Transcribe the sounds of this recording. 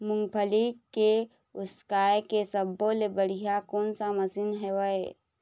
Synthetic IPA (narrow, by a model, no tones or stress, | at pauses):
mʊ̃ŋɡpʰəlike | ʊskaːekesəbːõlebəɽ̤ijakoːnsaməsinɦɛwəe